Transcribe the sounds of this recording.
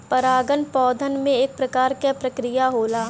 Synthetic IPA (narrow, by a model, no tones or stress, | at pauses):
pɐɾaːɡənpɔːd̪ʱənmẽeːk̚pɾɐkaːɾkapɾɐkɾɪjaɦoːlaː